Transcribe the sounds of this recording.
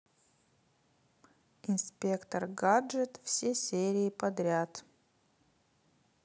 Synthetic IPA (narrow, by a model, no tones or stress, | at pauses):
ɪnspʲe̞kt̪ərɡaʐət̪fsʲesʲeɾʲɪɪpɐd̪ɾʲat̪